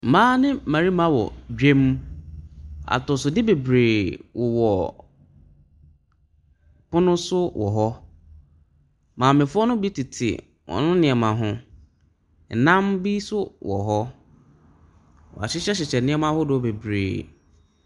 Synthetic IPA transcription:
m̩˨mãː˦nɪ̃˦˨mã˨ɾi˦mã˦wɔ̰˨d͡ʑᶣe˦m | a̰˨tɔ˨sʊ˨dɪ˦be˨bɾeː˨wɔ˨wɔ˨ | pʊ˦nʊ̃˦sʊ˦wʔɔ̰˨ɦɔ˦ | mãː˨mɪ̃˨fʊ˦ɔ˦nʊ̃˦bi˦tʰi˨tʰɪ̰˨ | wɔ̰˨nʊ̃˦nɪ̃˨ɛ˨mã˨ɦʊ̃˦˨ | nã˦mbi˦sʊ˦wɔ̰˨ɦɔ˦ | wɔ˨a̰˨ɕɪ˦ɕɛ˦ɕ̬ɪ˨t͡ɕʰɛ˨nɪ̃˦ɛ˦mã˦hʊ˦dʊ˨wɔ˦be˨bɾḛː˨

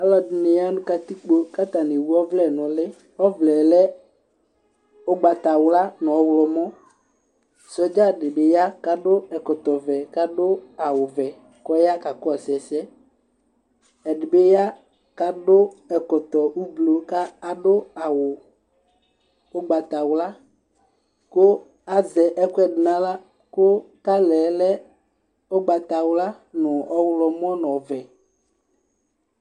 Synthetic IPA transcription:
a˦lɔ˨dɪ˨ne˨ja˦nũ˦ka˦t̪i˦k͡po˦ka˦t̪a˨ne˨wu˦ɔ˦vlɛ˦˨nɔ̃˨le˦ | ɔ˦vlɛ˨lɛ˦ | o˦ɡ͡ba˨t̪a˨wla˦nɔ̃˨˦wlɔ˨mɔ̃˦ | sɔ˦d͡ʒa˦ɖɪ˨be˦ja˦ka˦ɖʊ˦ɛ˨kɔ˨t̪ɔ˨vɛ˨ka˦ɖʊ˦a˨wʊ˨vɛ˨ | kɔ˦ja˦ka˨kɔ˦ɛ˨sɛ˨sɛ˦ | ɛ˨ɖɪ˨be˦ja˦ | ka˦ɖo˦ɛ˨kɔ˨t̪ɔ˨wu˦blo˨ka˦a˨ɖo˦a˨wo˨ | o˦ɡ͡ba˨t̪a˨wo˨˦la˦ | ko˦ | a˦zɛ˨ʔɛ˦kɛ˦ɖnã˦la˦ | ko˦ | ka˦lɛ˨˦lɛ˦ | o˦ɡ͡ba˨t̪a˨wla˦ | nɔ̃˨ɔ˦wlɔ˨m˦ɔ̃˦nɔ̃˨vɛ˨

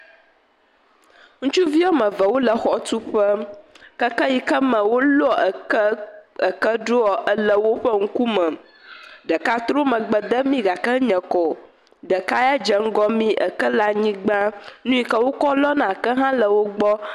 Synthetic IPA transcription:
ŋũ˦t͡ʃu˦vi˦ɔ˦mə̃˨və˨wo˦lə˨xɔ˨t̪u˦ɸə˦kə˦kə˦ji˨kə˦mə̃˨wo˦lo˦ɔ˨˦ | ə˨kə˦ɖo˦ɔ˨ʔə˦lə˦wo˦ɸə˦ŋ̩˦ku˦mə̃˨ | ɖə˨ka˦t̪ɾo˦mə̃˨ɡ͡bə˨d̪ə˦mĩ˦ɡa˨kə˦ɲɛ̃˨kɔ˨ | ɖə˨ka˦ja˦d͡ʒə˨ŋ̩˦ɡɔ˦mĩ˦ʔə˨kə˦la˦ɲĩ˦ɡ͡bã˦nũ˦i˨kə˦wo˦kɔ˦lɔ˦nã˨kə˦ɦã˦lə˨wo˦ɡ͡bɔ˦

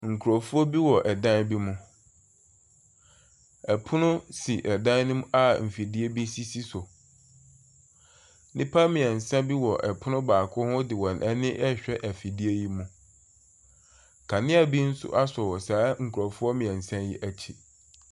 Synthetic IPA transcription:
ŋ̩˨kʰu˨ɾɔ˨fu˦ɔ˦bi˦wɔ˨ʔɛ˨dã˦n˦bi˦mũ˦ | ɛ˨pʰʊ˦nʊ̃˦si˨ʔɛ˨dã˦n˦nʊ̃˦ma˨m̩˨fi˨di˦e˦bi˦si˦si˦sʊ˨ | nɪ̃˦pʰa˦mɪ̃˨ɛ̃˨n̩˨sã˦bi˦wɔ˨ʔɛ˨pʰʊ˦nʊ̃˦baː˨kʰʊ˦hʊ̃˦dɪ˨wɔ̃˨nʔɛ˦nɪ̃˦ʔɛ˦ɕᶣɛ˦ʔæ˨fi˨di˦e˦ji˦mũ˦ | kʰa˨nɪ̃˦a˨bi˦n̩˦sʊ̰˦ʔa˦sɔ˨wɔ˨saː˨˦ŋ̩˨kʰu˨ɾɔ˨fu˦ɔ˦mɪ̃˨ɛ̃˨n̩˨sã˦ji˦ʔæ˦t͡ɕʰi˨

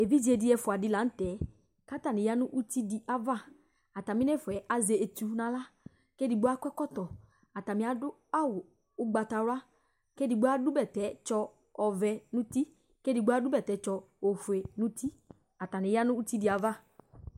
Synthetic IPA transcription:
e˨vi˦d͡ʒi˨ɛ˨dɪ˨ɛ˨fʊ˨a˨dɪ˦la˨˦n̩˦tɛ˨˦ | ka˦ta˨nɪ̃˨ja˦nʊ̃˦ʔu˦t̪i˦di˨ʔa˨va˦˨ | a˨ta˨mɪ̃˦nɛ˦fʊ˨ɛ˨ʔa˨ze˨e˨t̪u˨nã˨la˦ | ke˦di˨ɡ͡bo˦a˦kʷɛ˦kɔ˦t̪ɔ˨ | a˨ta˨mɪ̃˨˦a˨dʊ˦ | a˦wʊ˨ | ʊ˦ɡ͡ba˨ta˨ɾʊ˦a˦ | ke˦di˨ɡ͡bo˦a˦dʊ˦bɛ˨tɛ˨˦t͡ʃɔ˦ | ɔ˨vɛ˨nʊ̃˦t̪i˦ | ke˦di˨ɡ͡bo˦a˦dʊ˦bɛ˨tɛ˨˦t͡ʃɔ˧ | o˨fɛ˨nʊ̃˦t̪i˦ | a˨ta˨nɪ̃˨ja˦nʊ̃˦u˦t̪i˦di˨a˨va˦˨

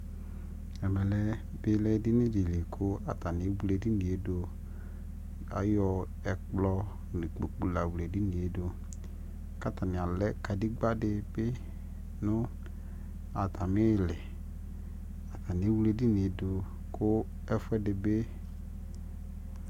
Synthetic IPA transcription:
ɛ˨mɛ˨lɛ˦ | bɪ˦lɛ˦dɪ˦nɪ̃˦di˨li˨kʰʊ˦a˨ta˨nɪ˨˦wu˦le˨di˦nɪ̃˨e˨˦do˨ | a̰˨jɔ˨ | ɛ˨k͡plɔ˦ | nɪ̃˨k͡po˨k͡pu˨la˨wu˨le˨di˦nɪ̃˨e˨˦dʊ˨ | ka˦tʰa˨nɪ˨a˨lɛ˦ka˨di˦ɡ͡ba˦dɪ˨bɪ˦ | nʊ˦ | a˨tʰa˨mɪ˦˨lɪ˨ | a˨tʰa˨nɪ˨˦wu˦le˨di˦nɪ˨e˨˦dʊ˨ | kʰʊ˦ | ɛ˦fʊ˦ɛ˦dɪ˨be˦

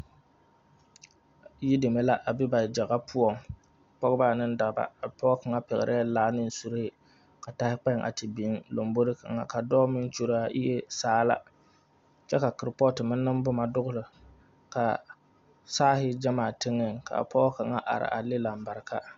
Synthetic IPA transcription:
ji˦de˨me˨la˦ʔa˨bɪ˦ba˨d͡ʒa˨ɣa˦pʰʊ˦ɔ˨ŋ | pɔ˦ɣɨ˦ba˦˨nɨ˦n˦da˨ba̰˨a˨pɔ˦ɔ˦ka˨ŋa˦pɛ˨ɣɪ̰˨ɾʔɪ˦a˦laː˦nɨ˦n̩˦˨su˦ɾhɪ˦ | ka˨ta˨hɪ˦k͡pɛ˦ŋʔa̰˨tɪ˨bi˨˦ŋlo˨mbo˦ɾɪ˦ka̰˨ŋa˨ka˨dɔː˦mɪ˦n˦t͡ʃo˦ɾa˦ʔɪ̰˦jɛ˦saː˦la̰˦ | t͡ʃɛ˦ka˨kɪ˨ɾpɔ˦tɨ˨mɨ˦nːɨ˦mbʊ˦ma˨dʊ˦ɣʊ˦lɨ˨ | ka˨ | saː˦ɦɪ˦d͡ʒa˦maː˨tɪ˦ŋːɪ˦ŋka̰˨a̰˨pʰɔ˦ʔɔ˦ka˨ŋa˦ʔa̰˨ɾɪ̰˨ʔa˨lɪ˦la˨m̩˨ba˨ɾkʰa˦

